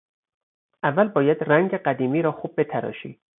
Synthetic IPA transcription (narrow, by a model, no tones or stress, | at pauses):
ʔævːælbɒːjæd̪ræŋɟeɢæd̪iːmiːɾɒːxuːb̚ːe̞t̪ʰæɾɒ̰ːʃḭː